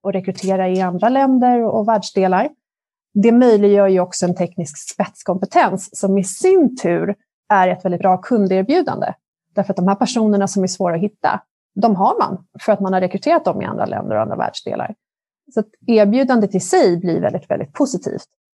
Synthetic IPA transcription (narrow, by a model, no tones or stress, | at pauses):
ɔɾɛkɾɵt̪ʰeːɾaɪand̪ɾalɛnd̪əɾɔvæːɖʂd̪eːlaɾ | d̪ɛmœjlɪɡjœːɾjɵɔksɔɛnt̪ʰɛknɪskspɛt̪skʰɔmpɛt̪ʰɛnsːɔmɪsɪnt̪ʰʉ̟ːɾ | æɾɛt̪vɛldɪbɾɑːkʰɵnd̪eːɾbjʉ̟ːd̪a̰nd̪ə̰ | d̪̥æɾfœɾat̪̚d̪ɔmhæːɾpʰæʂuːnəɳasɔmæʂvoːɾaɔɦɪt̪ːa̰ | d̪ɔmɦaɾma̰nfœɾat̪manhaɾɛkɾɵt̪ʰeːɾat̪̚d̪ɔmɪ̰a̰nd̪ɾa̰lʔɛ̰nd̪ə̰ɾɔ̰a̰nd̪ɾa̰væ̰ːɖʂd̪ḛːla̰ɾ | sɔat̪æːɾbjʉ̟ːd̪and̪ət̪ʰɪlsɛjblḭɾvɛ̰ld̪ɪt̪vɛ̰ld̪ɪ̰t̪̚pʰʊsɪt̪ʰḭːft̪